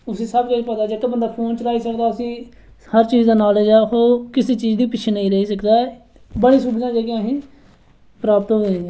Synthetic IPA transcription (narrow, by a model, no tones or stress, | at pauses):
ʊsĩːsəbkət͡ʃpəd̪aːd͡ʒekəbənd̪aːpʰoːnt͡ʃəɾaːiːsəkd̪aːʊsĩː | həɾt͡ʃiːzd̪eːnaːleːd͡ʒaːhoːkɪseːt͡ʃiːd͡ʒd̪iːpɪt͡ʃʰeːnəĩːɾəɦiːsəkd̪aːɛ | bəɽ̃ĩːsuːbt̪ãːd͡ʒeːkeãːɦĩː | pɾaːpt̪ɦoẽː